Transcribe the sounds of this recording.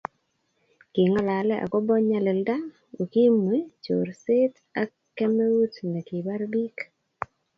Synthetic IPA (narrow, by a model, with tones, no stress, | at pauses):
ki˨ŋa˦˨la˨lɛ˦ʔa̰˨kɔ˦bɔ˦ɲa˨lɛ˨lda˦ | o˨ki˦mwe˦t͡ʃo̰˨ɾsɪ˦t | a˦ | kɛ˦mɛ˦u˦tna˨ki˨ba˦ɾbi˦k